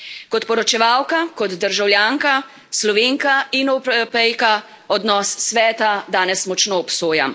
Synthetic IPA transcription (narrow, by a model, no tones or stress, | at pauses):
kɔt̪pɔɾɔt͡ʃɛʋawkakɔd̪d̪əɾʒawljaŋka | slɔʋeːŋkainɔpɛpɛjka | ɔd̪nɔsːʋɛːt̪ad̪aːnɛsmɔt͡ʃnoːpsoːja̰m